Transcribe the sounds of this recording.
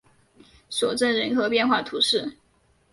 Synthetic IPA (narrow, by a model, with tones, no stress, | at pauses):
sɔ˨˩ʈ͡ʂə˥˩nɻə˧˥nxɤ˧˥pjɛ˥˧nxwa˥˩t̪ʰu˧˥ʂɻ̩˥˩